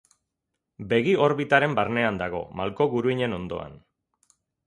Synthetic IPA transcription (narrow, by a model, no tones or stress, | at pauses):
be̞ɣio̞ɾβit̪aɾe̞mbaɾne̞and̪aɣ̞o̞̰malko̞ɣuɾuiɲe̞no̞nd̪o̞̰a̰n